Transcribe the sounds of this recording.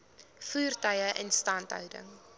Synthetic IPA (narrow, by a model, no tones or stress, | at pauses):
fuːrtœjəʔɛnstɐntɦœ̰wdə̰ŋ